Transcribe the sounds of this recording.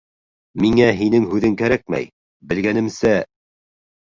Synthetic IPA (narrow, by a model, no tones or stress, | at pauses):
miŋæɦinɘŋhʉðɘŋkæɾæk̚mæ̰j | bɘ̆lɡænɘ̆msæ